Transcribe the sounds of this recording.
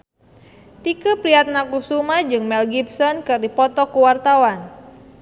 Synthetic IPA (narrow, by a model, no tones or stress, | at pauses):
t̪ikupɾiat̪̚nakusumad͡ʒɨŋmɛlɡipsɔnkɨrdipɔt̪ɔkuwart̪awan